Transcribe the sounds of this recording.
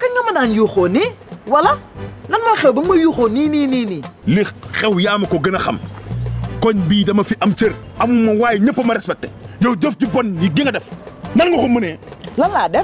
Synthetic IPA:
kaɡamananjuxoniwalananmaxewbimajuxoninininilixxewjaːmakoɡinaxa̰m | koɲbiːdamafiʔamt͡ʃeɾamumːawaːjiɲipːomaɾespek̚te̥jowd͡ʒofd͡ʒibonjiɡiŋɡadefnanɡuxumːunelalade

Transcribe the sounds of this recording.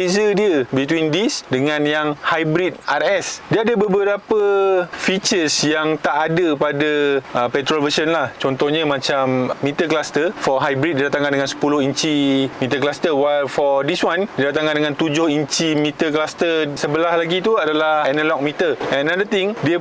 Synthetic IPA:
ezədiəbit̪windisdəŋãnjaŋhajbɾit̪̚arɛsdiəadəbəbəɾapəfit͡ʃəsjaŋt̪aʔadəpadaəpɛt̪ɾolvəʃənlaht͡ʃɔnt̪ɔhɲə̃mãt͡ʃammĩt̪əklast̪əfɔɦajbɾit̚didat̪ãŋkãndəŋãnsə̥pulʊhiɲt͡ʃimit̪əklast̪əwajlfɔdiswãndidat̪aŋkandəŋãnt̪ud͡ʒʊhiɲt͡ʃimit̪ək̬last̪əsəbəlahlaɡit̪uadalahɛnalɔk̚mit̪əɛ̃nadət̪ĩŋdiə

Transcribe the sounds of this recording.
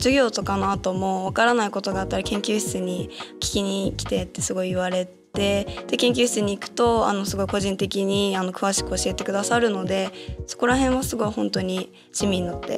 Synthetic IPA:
d͡ʑɨɡʲo̞ːt̪o̞kanoat̪o̞mo̞β̞akaɾanaiko̞t̪o̞ɡaːt̪ːaɾʲikẽ̞ŋkʲɨːçʲi̥t͡sɨɲ̟ikʲi̥kʲiɲ̟ikʲi̥t̪e̞t̪ːe̞sɨɡo̞iːβaɾe̞tt̪e̞d̪̥e̞kẽ̞ŋk̬ʲɨːçi̥t͡sɨɲ̟iːkɯ̟̥t̪o̞a̰no̞sɨɡo̞iko̞ʑĩnt̪e̞kʲiɲ̟iano̞kɯ̟βaɕi̥kɯo̞ɕie̞t̪e̞kɯ̟d̪asaɾɯ̟no̞d̪e̞so̞̥ko̞ɾaɦẽ̞ɰ̃βasɨɡo̞ihõ̞nt̪o̞ɲ̟i | ɕimʲiɲinot̪ːe̞̰

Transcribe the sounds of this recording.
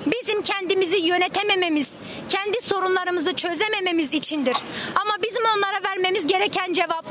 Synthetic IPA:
bizimcʰɛnd̪imizijø̞net̪ʰeme̞me̞miz̥ | cʰænd̪iso̞ɾunlˠaɾɯmɯzɯt͡ʃʰø̞zeme̞me̞mizit͡ʃʰind̪iɾamabizimo̞nlˠaɾavæɾme̞mizɟe̞ɾɛcʰænd͡ʒe̞vap

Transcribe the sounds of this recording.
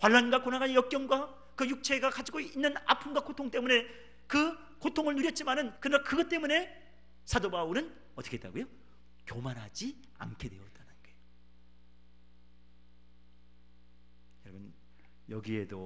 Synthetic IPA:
kwaɭːanɡwakonaɡanjʌk̚k͈jʌŋɡwa | kɯjuk̚t͡ɕʰe̞ɡakad͡ʑiɡoinːɯna̰pʰɯmɡwakotʰoŋt͈e̞mune̞ | kɯ | kotʰoŋɯɭnuɾjʌt̚t͡ɕ͈imanɯnkɯɾʌnakɯɡʌt͈e̞mune̞ | sʰadobauɾɯn | ʌt͈ʌ̥kʰe̥t͈a̰ɡojo | kjomanɦad͡ʑi | a̰nkʰe̞dwe̞jot͈anɯnɡe | jʌɾʌbɯn | jʌ̰ɡie̞̰do̰

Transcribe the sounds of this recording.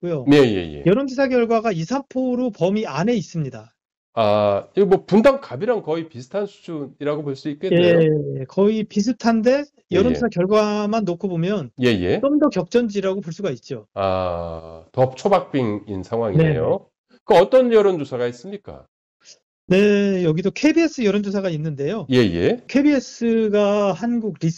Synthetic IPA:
k͈ujone̞jḛjḛjʌɾond͡ʑisʰaɡjʌɭɡwaɡaisʰanpʰoɾopʌmiane̞is͈ɯmɲida | aimwʌpundaŋkabiɾaŋkʌipisʰɯ̥tʰansʰu̥d͡ʑuniɾaɡoboɭs͈uik̚k͈ejeekʌipis̬ʰɯtʰande̞ | jʌɾonsʰakjʌɭɡwamanːokʰobomjʌnje̞je̞̰t͡ɕ͈omdʌkjʌk̚t͡ɕ͈ʌnd͡ʑiɾaɡopoɭs͈uɡait̚t͡ɕ͈oa̰ | tʌt͡ɕʰobak̚p͈iŋinsʰaŋɦwaŋineḛjo | kɯʌt͈ʌnjʌɾond͡ʑosʰaɡais͈ɯmɲik͈a̰ | ne̞jʌɡidokʰe̞bie̞s͈ɯjʌɾond͡ʑosʰaɡainːɯnde̞joje̞je̞̰kʰebies͈ɯɡahanɡuɡɾis

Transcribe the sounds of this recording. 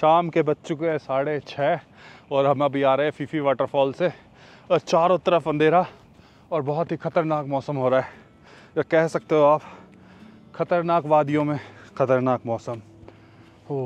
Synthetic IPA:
ʃaːmkebɐtːʃõkɛ̃saːɽet͡ʃʰɛː | ɔːɾɦɐmɐbʱiaːɾɐɦɛ̃fʰiːfiʋaːʈəɾfɔːlse | ɔːɾt͡ʃaːɾõt̪ɐɾəfɐ̃nd̪ʱeːɾa | ɔːɾbɔɦʊt̪ɦixɐt̪əɾnaːkmɔːsəmɦoːɾaːɦɛ | jakɛɦsɐk̚t̪eɦoaːp | xɐt̪əɾnaːkʋaːd̪ijõmẽxɐt̪əɾnaːkmɔːsəm | ɦo

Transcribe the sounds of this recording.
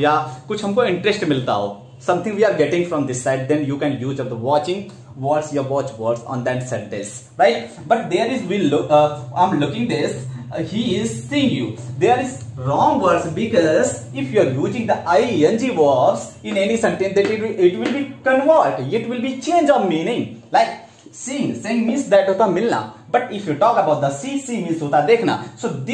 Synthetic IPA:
jaːkʊt͡ʃʰhɐ̃mkoɪ̃ɳʈɾəsʈmɪlt̪a̰oː | sʌ̃mt̪ʰɪ̃ŋɡʋiːaːɾɡɛʈɪ̃ŋɡfɾɔ̃md̪ɪsːaɪɖ̚d̪ɛ̃njuːkɛ̃ːnjuːd͡ʒɔʋd̪əʋɔːt͡ʃɪ̃ŋɡ | ʋɔːʈsjuəɾʋɔːt͡ʃʋəɾɖsɔ̰̃ːnd̪ɛʈsɛʈ̚ɖes | ɾaɪʈ̚ | bɐʈ̚d̪eːɾɪzʋilʊãɪ̃mlʊkɪ̃ŋɡd̪ɪshiːɪzsiːɪ̃ŋɡjuːd̪eːɾɪzɾɔ̃ːŋɡʋəɾɖsbɪkɔz | ɪfjuəɾjuːd͡ʒɪ̃ŋd̪əʔaɪɛ̃nd͡ʒiʋəɾpsɪ̃nenisɛ̃ɳʈẽnd̪ɛʈɪiɪʈʋɪlbikə̃nʋəɾɖɪʈʋɪlbit͡ʃẽːnd͡ʒɔ̃nmiːnɪ̃ŋlaɪk | siɪ̃ŋseːɪ̃ŋmĩnsd̪ɛʈɦoːt̪amɪlna̰bɐʈɪfʰjuːʈɔːkəbaʊʈ̚d̪əsisimĩnsot̪ad̪eːkʰna̰soːd̪

